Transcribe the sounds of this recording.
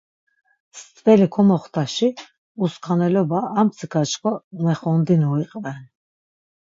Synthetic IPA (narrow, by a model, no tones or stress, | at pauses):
st̪ʰʼvɛlikʰɔmɔχt̪ʰaʃi | uskʰanɛlɔbaːmpsʰikʰat͡ʃkʰɔmɛχɔnd̪inɔiqʼvɛn